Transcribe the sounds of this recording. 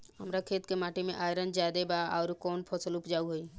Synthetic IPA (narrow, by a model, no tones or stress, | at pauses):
ɦəmɾakʰeːt̪kemaːʈimḛ̃ʔaːjɾə̃nd͡ʒaːd̪ebaaːɾkɔːnpʰɔsəlupd͡ʒaːuɦoi